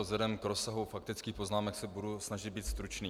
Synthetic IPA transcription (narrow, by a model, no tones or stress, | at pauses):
zlɛdɛmkɾosaɦufak̚t̪ɪt͡skiːxpoznaːmɛksɛbudusnaʒɪd̪biːt̪st̪ɾut͡ʃniː